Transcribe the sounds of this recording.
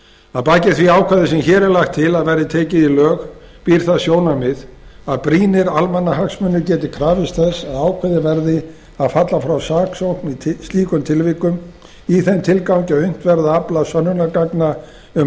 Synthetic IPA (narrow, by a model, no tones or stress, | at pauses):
aðpaːjcɪθviaːwkʰvaðɪsɛmçɛːɾɛɾlajxt̪ʰːɪlaðvɛɾðɪt̪ʰɛːcɪðilœːx | piɾ̥θaðsjoːwnamɪðaðpɾiːnɪɾalmanːaɦaksmʏnːʏɾcɛːt̪ɪkʰɾaːvɪst̪θɛsːaðaːwkʰvaðɪvɛɾðɪ | aðfat̪lafɾawsaːksowhknist̪iːkʏmt̪ʰɪlvɪkːʏm | iθɛnt̪ʰɪlkawɲcaʏn̥t̪vɛɾðaaplasœnːʏnakakna | ʏm